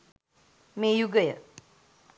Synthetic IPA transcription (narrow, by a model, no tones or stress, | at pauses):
mejuɡəjə